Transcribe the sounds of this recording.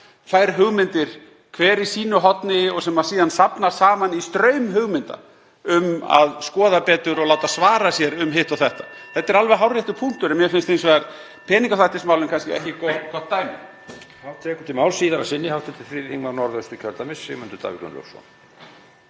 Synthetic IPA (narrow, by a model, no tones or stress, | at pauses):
fajɾɦʏɣmɪnt̪ɪɾ̥ | kʰvɛːɾisiːnʏɦɔt̪nɪɔɣsɛmːḁsiːðansapnasaːmanist̪ɾœɥmɦʏɣmɪnt̪a̰ | ʏma̰ðskɔːðapɛːt̪ʏɾɔɣlawt̪asvaːɾasjɛɾʏmɦɪht̪awθɛht̪ḁθɛt̪ːɛɾalvɛɦawrjajht̪ʏpʰun̥t̪ʏɾɛmjɛfɪnst̪ejns̬vɛaɾ | pʰɛːniŋkaθajht̪ɪsmaːwlɪmkʰanscɪɛ̰hcɪkkɔt̪ːajmɪ | hat̪ʰɛːkʏ̥t̪ʰɪlmaːwlsiːðaɾasɪnːɪhaw̥t̪ʰɛt̪ɪθɾɪhiŋmaɾnɔɾðœst̪ʏcʰœlt̪amɪshɪ̰ɣmɪnt̪ʏɾt̪ʰa̰vḭklʏ̰nlo̰wsɔ̰n